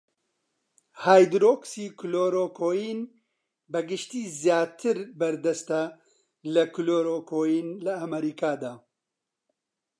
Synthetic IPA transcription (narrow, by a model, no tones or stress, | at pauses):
haːjd̪ɾoksiːkuloːɾoːkʰoːjiːn | bɐɡɨʃt̪iːzjaːt̪ʰɨɾbɐɾd̪ɐst̪ɐ | lɐkuloːɾoːkʰoːjiːnlɐːmɐɾiːkaːd̪aː